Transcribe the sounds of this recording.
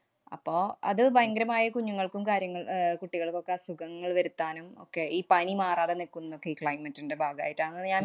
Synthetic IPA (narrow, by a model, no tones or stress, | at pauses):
ɐ̰pːo̞ːɐ̰ðɨbɐjɐŋɡɾɐmaːjɐkuɲːuŋːɐɭkumkaːɾjɐŋːɐɭkuʈːiɣɐɭkːo̞kːesuɡɐŋːɐɭʋɐɾut̪ːaːnumo̞̰kːe̞iːpɐnimaːraːðenikːunːɐokːe̞iːkɭɐjmɐtːinde̞bʱaːɡɐa̰ːjiʈːaːnɐɲaːn